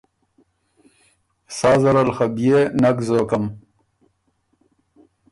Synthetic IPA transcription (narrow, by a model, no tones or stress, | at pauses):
saːzɐɾɐlxɐbijenɐkzoːkɐm